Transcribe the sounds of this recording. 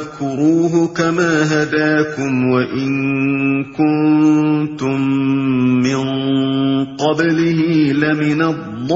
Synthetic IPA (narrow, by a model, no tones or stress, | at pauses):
kʊɾuːɦʊkamaːɦad̪aːkʊmwaʔɪn | kʊnt̪ʊmː | ɪn | qɑblɪhɪlamɪnalˤːɑː